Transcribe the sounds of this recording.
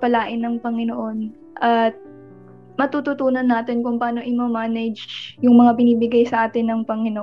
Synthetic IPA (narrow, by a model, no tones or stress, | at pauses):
pɐlaːʔɪnːɐŋpɐŋɪnoʔo̞n | ʔɐt̪̚ | mɐt̪ut̪ʊt̪uːnɐnːaːt̪ɪnkʊŋpaːno̞ʔɪmɐmaːnɐd͡ʒjʊŋmɐŋabɪniːbɪɡajsɐʔaːt̪ɪnːɐŋpɐŋɪnoʔ